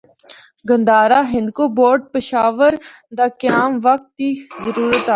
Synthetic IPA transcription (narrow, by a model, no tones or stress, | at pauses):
ɡə̃nd̪aːɾaːɦɪ̃nd̪koboːɖ̚pəʃaːʋəɾ | d̪aːkəjaːmʋək̚t̪ːiːzəɾuːɾət̪aː